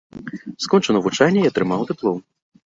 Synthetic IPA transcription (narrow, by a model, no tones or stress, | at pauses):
skɔnt͡ʂɐnɐvut͡ʂanʲːɐiɐt̪ɾɨmawt̪ɛplˠɔm